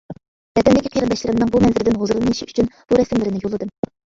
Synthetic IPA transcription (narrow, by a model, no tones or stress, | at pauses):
bɛd̪ɛnd̪ɪkʲiqʰiɾɨnd̪ɑʃlɪɾɪmnɨŋbumɛnzɪɾɪd̪ɪnɦozɾlˠɨnɨʃiyt͡ʃʰynb̥uɾɛsɪmlɪɾɪnɪjolˠɨd̪ɨm